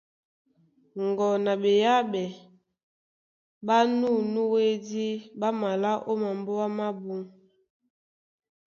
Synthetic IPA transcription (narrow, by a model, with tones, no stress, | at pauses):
ŋɡɔ˨na˨be˨ja˦bɛ˨ | ba˦nu˦˨nu˦we˦di˦ba˦ma˨la˦ʔo˦ma˨mbo˦wa˦ma˦bu˦ŋ